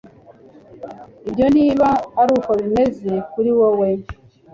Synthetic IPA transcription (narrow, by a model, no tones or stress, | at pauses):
iβjo̞niːβaːɾuːkoβime̞ze̞kuɾiwowe